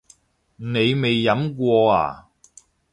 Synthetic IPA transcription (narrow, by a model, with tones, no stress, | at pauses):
ne˨˧jme˨jːɐ˨˥mkʷɔː˧a̰ː˨˩